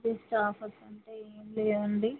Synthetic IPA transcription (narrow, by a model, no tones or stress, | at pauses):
ʈisʈaːfɐsːɐɳʈeːeːnleːʋuɳɖi